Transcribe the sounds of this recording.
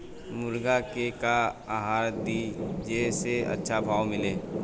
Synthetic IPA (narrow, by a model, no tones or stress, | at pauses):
mʊɾɡakekaaːɦaːɾd̪id͡ʒeseɐ̰tːʃʰabʱaːwmɪleː